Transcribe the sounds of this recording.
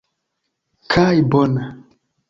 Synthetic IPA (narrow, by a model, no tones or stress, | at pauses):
kʰajbona